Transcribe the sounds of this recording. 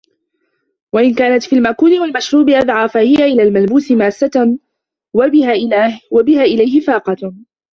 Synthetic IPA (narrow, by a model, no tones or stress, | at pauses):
waʔɪnkaːnat̪fiːlmaʔkuːnɪwalmaʃɾuːbɪʔad̪ʕaːfahɪjaʔɪlaːlmalbuːsɪmaːsːa | wabɪhaːʔlawabɪhaːʔɪlajhɪfɑːqɑ